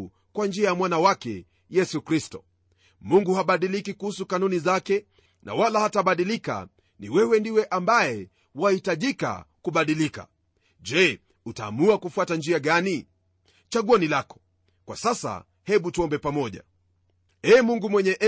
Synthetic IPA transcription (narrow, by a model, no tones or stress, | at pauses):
kwand͡ʒiajamwanawakɛ̰ | jɛsukɾistɔ | muŋɡuhaɓaɗilikikuhusukanunizakɛ | nʔa̰walahataɓaɗilika̰ | niwɛwɛndiwɛʔambaɛ | wahitaʄika̰kuɓaɗilika̰ | d͡ʒɛ | uta̰ːmuakufuatand͡ʒiaɠani | t͡ʃaɠuɔnilakɔ̥ | kwa̰sasa̰ | hɛɓutuɔmbɛpamɔʄa̰ | ɛːmuŋɡumwɛɲɛʔ